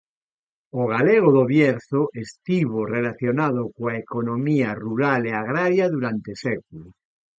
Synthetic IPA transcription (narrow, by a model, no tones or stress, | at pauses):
oɣ̞aleɣ̞oðoβjeɾθoʔest̪iβ̞orelaθjonaðokoaekonõmiaruɾaleaɣɾaɾjaðuɾant̪esek̚ulo